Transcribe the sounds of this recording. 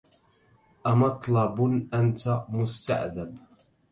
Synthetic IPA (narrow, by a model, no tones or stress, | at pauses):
ʔamɑt̪ˤlɑbʔant̪amʊst̪a̰ʔðab